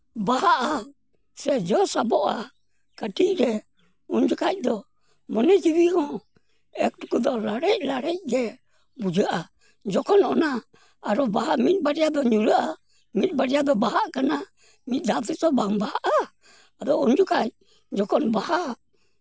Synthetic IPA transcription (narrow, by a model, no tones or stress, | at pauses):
baɦaʔa | sɛd͡ʒɔsabɔʔa̰ | katiɾɛ | und͡ʒukac̚d̪ɔ | mɔnɛd͡ʒiβiɦɔ̃ | ɛk̚tukud̪ɔlaɾɛlaɾɛɡɛ | bud͡ʒaʔa | d͡ʒɔkɔnɔnaː | ɾɔbaɦamit̪̚baɾiad̪ɔɲuɾaʔa | mit̪̚baɾiad̪ɔbaɦaʔkana | mit̪̚dat̪utɔbambahaʔa | ad̪ɔund͡ʒukaj | d͡ʒɔkɔnbaha